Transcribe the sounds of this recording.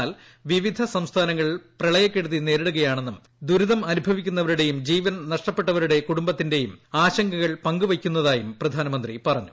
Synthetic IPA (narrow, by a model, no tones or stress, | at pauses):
aːl | ʋiʋid̪ʱɐsɐmst̪ʰaːnɐŋːɐɭiprɐɭɐjɐkːeɽuðine̞ːɾeɽuɣɐjaːɳe̞nːum | d̪uɾuðɐmɐnubʱɐʋikʲːun̪ːɐʋɐɾuɽe̞jumd͡ʑiːʋɐnɐnɐʂʈɐpːeʈːɐʋɐɾuɽe̞kuɽumbɐt̪ːinde̞jumaːɕɐŋɡɐɣɐɭpɐŋɡuʋɐkʲːunːɐðaːjumprɐd̪ʱaːnɐmɐnd̪ripɐrɐɲːu